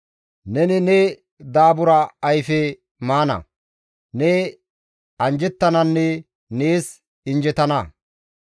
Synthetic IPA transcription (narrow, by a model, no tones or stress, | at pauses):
nɛnɪnɛ | d̪aːbʊɾɐːjfɛ | maːnɐ̰ | nɛ | ɐnd͡ʒɛt̪ːɐnɐnːɛ | neːs | ɪnd͡ʒɛt̪ɐnɐ